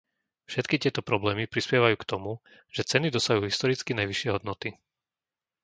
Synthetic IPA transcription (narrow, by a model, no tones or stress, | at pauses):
fʃɛt̪kit̪ɪɛt̪ɔpɾɔblɛːmipɾispjɛʋajuːkt̪ɔmu | ʒ̥ɛt͡sɛnid̪ɔsaɦuːɦist̪ɔɾit͡skinajʋiʃɪɛɦɔd̪nɔt̪i